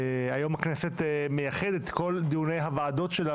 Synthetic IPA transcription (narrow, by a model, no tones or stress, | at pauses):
ajo̞mhakneset̪mejaχed̪et̪ko̞ld̪iunejɦavaːd̪o̞tʃela